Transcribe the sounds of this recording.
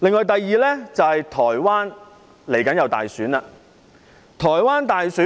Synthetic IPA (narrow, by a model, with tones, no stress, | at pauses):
lɪ˨ŋlɔː˨˧jt̪̬ɐ˨jːiː˨lɛː˥t͡sɐ˨whɐ˨jt̪ʰɔː˨˩jwaː˥n | le˨˩jkɐ˨˥njɐ˨˧wt̪a̰ː˨jsyː˨˥naː˧ | t̪ʰɔː˨˩jwaː˥nt̪aː˨jsyː˨˥